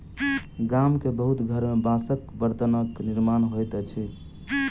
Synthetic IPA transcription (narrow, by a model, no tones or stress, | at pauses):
ɡamkebəɦut̪ɡʱəɾmebãsəkbəɾt̪ənəkniɾmanɦojt̪t͡ʃʰi